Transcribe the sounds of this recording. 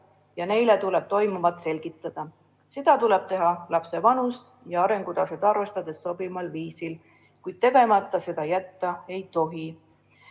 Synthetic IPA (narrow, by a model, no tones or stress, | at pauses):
jɑne̞jlet̪uleb̥̚t̪o̞jmumɑt̪se̞lɡ̥it̪ˑːɑd̪̥ɑ | sed̪̥ɑt̪uleb̥̚t̪e̞ɦɑlɑpse̞vɑnust̪ | jɑɑɾe̞ŋɡ̥ud̪ɑsed̪ɑɾve̞st̪ɑd̪̥e̞sso̞b̥imɑlviːsil | kujd̪̥̚t̪e̞ɡ̥e̞mɑt̪ˑːɑse̞d̪̥ɑjæt̪ːɑe̞jt̪o̞ɦi